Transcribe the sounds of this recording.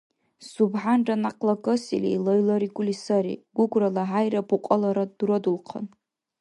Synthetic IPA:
subħanʈ͡ʂʼanaqʼlakʼɨsḭlḛjloɥlaɾiɡʷʼʊlisaɾḭɡ̥ʷʊɡʷralaʕajrapʰuqʼəlaɾadrodulqʰa̰n

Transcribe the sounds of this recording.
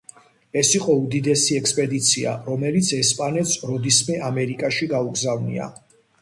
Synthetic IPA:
ɛsiqʼɔud̪id̪ɛsiɛkspʼɛd̪it̪sʰia̰ɾɔmɛlit̪sʰɛspʼanɛt̪sɾɔd̪ismɛʔamɛɾikʼaʃiɡauɡzavnḭa̰

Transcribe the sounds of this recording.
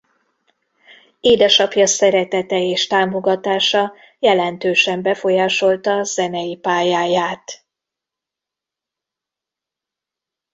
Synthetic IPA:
eːd̪ɛʃɒpjɒsɛɾɛt̪ɛt̪ɛeːʃt̪aːmo̞ɡɒt̪aːʃɒ | jɛlɛnt̪øːʃɛmbɛfo̞jaːʃo̞lt̪ɒzɛnɛjipaːjaːjaːt̪

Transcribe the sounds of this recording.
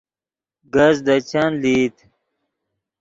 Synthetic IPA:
ɡɐzd̪at͡ɕanlit̪

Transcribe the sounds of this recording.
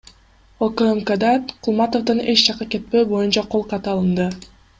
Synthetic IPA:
okəemkəd̪ɑqʰulˠmɑt̪ofd̪ɯne̞t͡ʃd͡ʒɑqɑke̞t̪̚pø̞ːbo̞junt͡ʃɑqʰo̞lˠqɑt̪ɯɑlˠɯnd̪ɯ

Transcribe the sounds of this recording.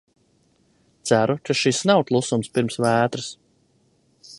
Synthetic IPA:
t̪sæɾukaʃisnawt̪lˠusumspiɾmsvæːt̪ɾɨs

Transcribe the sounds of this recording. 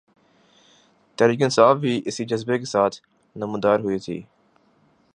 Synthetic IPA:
t̪ɐɾiːk̬ɪnɪsaːfʋiːʔɪsid͡ʒəzbekesaːt̪ʰ | nəmũd̪aːɾɦʊit̪ʰḭː

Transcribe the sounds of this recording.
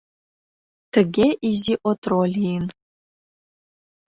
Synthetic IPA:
tʰɨɡʲeʔiziːʔɔtʰrolʲin

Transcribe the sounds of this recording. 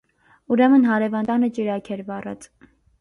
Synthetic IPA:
uɾɛmənɦɑɾɛvɑnt̪ɑnət͡ʃiɾɑkʰɛɾvɑrɑ̰t͡s

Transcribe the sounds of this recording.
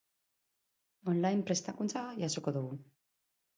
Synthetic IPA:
onlajmpɾe̞st̪akunt͡sajaso̞koðuɣu

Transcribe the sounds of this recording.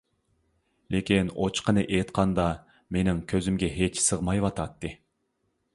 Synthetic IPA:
lekʲʰinot͡ʃqənɨʔet̪qʰɑnd̪ɑ | menɪŋkʲʰøzymɡʲɛɦet͡ʃsəʁmɑjwɑt̪ʰɑt̪ːɨ

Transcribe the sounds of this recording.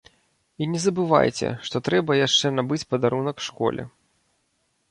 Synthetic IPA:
inʲɛzɐbɨva̰jt͡sʲɛ̰ʂt̪ɔt̪ɾɛbɐjaʂt͡ʂɛnabɨt͡sʲpɐd̪aɾunɐkʂkɔ̰lʲɛ̰

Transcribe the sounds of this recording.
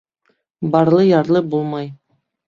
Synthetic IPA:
bɑɾlˠɤjɑɾlˠɤbulˠmɑj

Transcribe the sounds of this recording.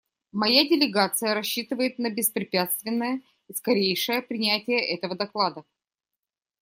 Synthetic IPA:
mɐjadʲɪlʲɪɡat̪sɨjəɾɐɕːit̪ɨvəjɪt̪̚nəbʲɪspɾʲɪpʲat̪st̪vʲɪnːəjə | iskɐɾʲejʂəjəpɾʲɪnʲætʲɪjəʔɛt̪əvəd̪ɐklˠad̪ə

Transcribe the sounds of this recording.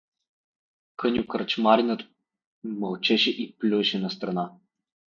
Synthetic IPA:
kɤnʲjʊkɾt͡ʃmaɾinət̪ | məlˠt͡ʃɛʃɛʔiplʲuɛʃɛnɐst̪ɾɐna

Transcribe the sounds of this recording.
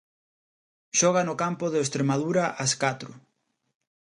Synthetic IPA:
ʃɔɣ̞anʊkampʊðɪest̪ɾemaðuɾaʔɐskat̪ɾʊ

